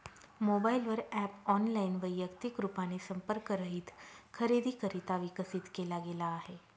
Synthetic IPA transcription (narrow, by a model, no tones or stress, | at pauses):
mobailʋəɾɛpɔnlainʋəjːəkt̪ikɾupanesə̃mpəɾkəɾəɦit̪ʰkʰəɾed̪ʱikəɾit̪aʋɪkəsɪt̪kelaɡeːlaːɦe